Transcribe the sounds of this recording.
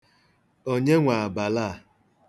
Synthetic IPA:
o˦ɲe˦ŋʷa˨a˨ba˨la˦˨

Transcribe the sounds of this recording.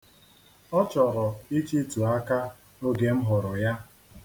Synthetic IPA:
ɔ˦t͡ʃɔ˨ɾɔ˨i˦t͡ʃi˦tu˨a˦ka˦ | o˦ɡe˨m̩˦ɦʊ˨ɾʊ˨ja˦

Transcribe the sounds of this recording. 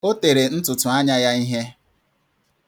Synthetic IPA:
o˦te˨ɾe˨n̩˦tʊ˨tʊ˨a˦ɲa˦ja˦i˦ɦe˦

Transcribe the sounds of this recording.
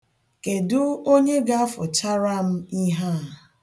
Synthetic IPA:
ke˨dʊ˦o˦ɲe˦ɡa˦a˦fʊ˨t͡ʃa˦ɾa˦m̩˦i˦ɦa˦˨

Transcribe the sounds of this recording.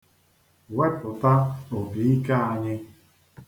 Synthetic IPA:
we˦pʊ˨ta˦o˨bi˨i˦ka˦a˨ɲɪ˦

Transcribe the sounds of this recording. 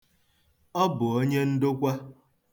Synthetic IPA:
ɔ˦bʊ˨o˦ɲe˦n̩˦dʊ˦kʷa˦

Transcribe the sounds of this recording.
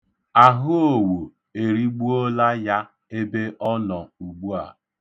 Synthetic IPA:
a˨ɦʊ˦o˨wo˨ | e˨ɾi˦ɡ͡bu˦o˦la˦ja˦ | e˦be˦ʔɔ˦nɔ˨u˨ɡ͡bu˦a˨

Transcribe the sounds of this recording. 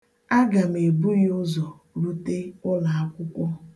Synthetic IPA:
a˦ɡa˨m̩˨e˨bu˦jʊ˦zɔ˨ | ɾu˦te˦ʊ˦la˨a˦kʷʊ˦kʷɔ˦

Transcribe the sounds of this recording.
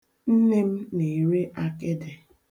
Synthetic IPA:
n̩˦ne˦m̩˦ne˨ɾe˦ʔa˦ke˦de˨

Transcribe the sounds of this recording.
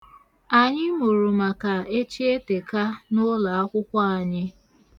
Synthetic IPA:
a˨ɲɪ˦mu˨ɾu˨ma˨ka˨e˦t͡ʃi˦e˦te˨ka˦nʊ˦la˨a˦kʷʊ˦kʷa˦a˨ɲɪ˦

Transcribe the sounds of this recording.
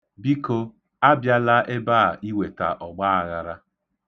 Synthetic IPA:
bi˦ko˦ | a˦bja˦la˦ʔe˦baː˦˨ʔi˦we˨ta̰˨ʔɔ˨ɡ͡ba˦a˨ɣa˨ɾa˦

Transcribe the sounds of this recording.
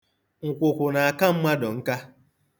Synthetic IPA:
ŋ̩˨kʷʊ˨kʷʊ˨na˨a˨ka˦m̩˦ma˦dɔ˨ŋ̩˦ka˦

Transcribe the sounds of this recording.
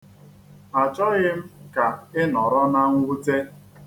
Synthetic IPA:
a˨t͡ʃɔ˦ɣɪ˦m̩˦ka˨ɪ˦nɔ˨ɾɔ˦na˦ŋ̩ʷ˦u˦te˦

